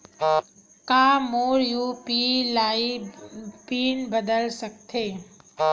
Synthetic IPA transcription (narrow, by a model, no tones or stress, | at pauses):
kãːmoːɾjuːpilaːi | piːnbəd̪əlsɐk̚t̪ʰeː